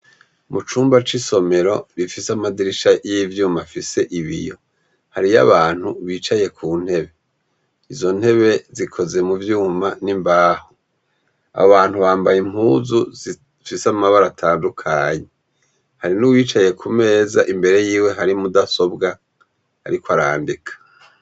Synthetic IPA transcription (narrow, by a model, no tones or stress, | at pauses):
mut͡ʃuːmbat͡ʃiso̞me̞ɾo̞ɾifisamadiɾiʃajivjuːmafise̞ʔiβḭjo̞ | haɾija̰βaːn̥huβiːt͡ʃaje̞kʰuːn̥he̞βe̞ | izo̞n̥he̞βe̞zikʰo̞ze̞muvjuːmanimbaːho | a̰βaːn̥huβaːmbajim̥huzuzi | fisamaβaɾatʰaːndukʰaɲe | haɾinuwiːt͡ʃaje̞kʰume̞ːzaʔimbe̞ɾe̞jiːwe̞ɦaɾimudaso̞bɡa | haɾikwaɾaːndikʰḁ